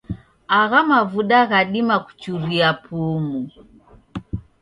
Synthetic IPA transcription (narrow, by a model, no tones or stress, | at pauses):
aɣamavuɗaɣaɗimaku̥t͡ʃuɾiapʰumu